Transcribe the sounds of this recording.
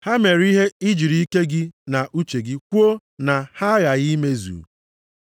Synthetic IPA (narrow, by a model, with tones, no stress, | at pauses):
ha˦me˨ɾi˦ɦe˦i˦d͡ʒi˨ɾi˦i˦ke˦ɡɪ˦na˨ʔu˦t͡ʃe˨ɡɪ˦kʷu˦o˦ | na˨ha˦ɣa˨ɣi˦me˦zṵ˨